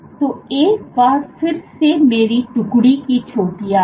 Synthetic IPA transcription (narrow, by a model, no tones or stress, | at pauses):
t̪oːeːkbaːɾsɪɾfseːmeːɾiːʈʊkɽiːkit͡ʃʰoːʈijaː